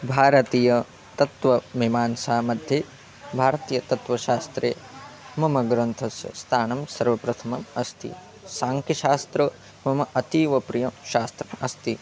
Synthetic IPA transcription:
bʱaːɾɐt̪iːjɐ | t̪ɐt̪ʋɐmimaːnsaːmɐd̪ʱjeː | bʱaːɾɐt̪iːjɐt̪ɐt̪ʋɐʃaːst̪ɾeːmɐmɐɡɾɐnt̪ʰɐsjɐ̰st̪ʰaːnɐmsɐɾʋɐpɾɐt̪ʰɐmɐmɐst̪ḭ | saːŋkiʃaːst̪ɾɐ | mɐmɐʔɐt̪iːʋɐpɾijɐmʃaːst̪ɾɐmɐst̪i

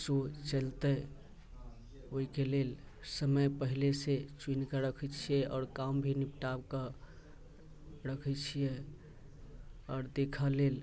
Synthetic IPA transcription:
sot͡ʃəlt̪əj | oikelel | səməjpəɦileset͡ʃwinkəɾəkʰɛt͡ʃʰijɛɔ̰ːɾkambʱinipʈabkə | ɾəkʰɛt͡ʃʰije | ɔːɾd̪ekʰəlel

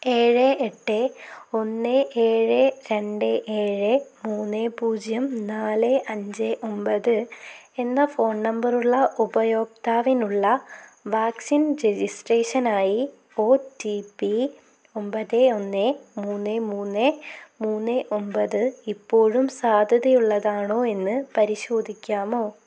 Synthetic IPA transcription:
e̞ːɻɨeʈːɨo̞nːɨeːɻɨɾe̞ɳɖɨʔeːɻɨmuːnːɨpuːd͡ʑjɐmnaːlɨʔɐɲd͡ʑɨʔo̞mbɐðɨ | enːɐfo̞ːnnɐmbɐruɭːɐʔubɐjo̞ːk̚t̪aːʋinuɭːɐʋaːksinɾed͡ʑisʈreːʂɐnaːji | o̞ːtipːi | o̞mbɐðeo̞nːemuːnːemuːnːemuːnːɨʔo̞mbɐðɨipːo̞ːɻumsaːd̪ʱɐðɐjuɭːɐðaːɳo̞ːe̞nːɨpɐɾiɕo̞ːd̪ʱikʲːaːmo̞ː

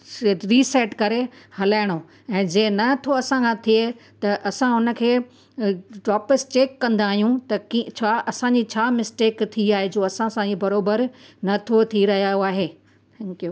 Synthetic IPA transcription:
ɾiːsɛːʈkɐɾehɐlaːɪɽ̃o | ɛ̃ːd͡ʑeːnɐt̪ʰoɐsãkʰãt̪ʰiet̪ɐʔɐsãʊnə̆kʰeː | ɖɔːpɪsʈeːkːɐ̃nd̪aːɦijũt̪ɐkit͡ɕʰaːʔɐsãɲd͡ʑit͡ɕʰaːmɪsʈeːkt̪ʰiaːɦed͡ʑoːɐsãsãd͡ʑibɐɾoːbəɾnɐt̪ʰot̪ʰiɾɐɦijaoaːɦeː | t̪ʰɛ̃ŋkijoː

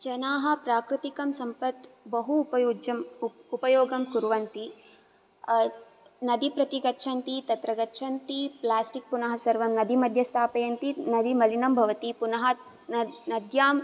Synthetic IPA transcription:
t͡ʃɐnaːɦɐ̆pɾaːkɾut̪ikɐmsɐmpɐt̪bɐɦupɐɐmupɐjoːɡɐmkuɾʋɐnt̪i | nɐd̪ipɾɐt̪iɡɐtːʃʰɐnt̪it̪ɐt̪ɾɐɡɐtːʃʰɐnt̪iplaːsʈik̚punɐɦɐsɐɾʋɐmnɐd̪imɐd̪ʱjɐst̪ʰaːpɐjɐnt̪inɐd̪imɐlinɐmbʱɐʋɐt̪ipunɐɦɐ | nnɐd̪jaːm

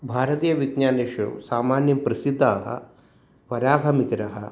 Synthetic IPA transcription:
bʱaːɾɐt̪iːjɐʋiɡɲaːneʂṵsaːmaːnjɐmpɾɐsid̪ʱːaːɦɐ̰ | ʋɐɾaːbʱɐmikɐɾɐɦɐ

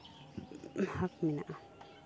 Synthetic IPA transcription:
hakmina̰ʔa

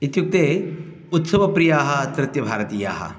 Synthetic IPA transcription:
it̪juk̚t̪eː | ut̪sɐʋɐpɾijaːɦɐt̪ɾɪt̪jɐbʱaːɾɐt̪iːja̰ːɦɐ̰

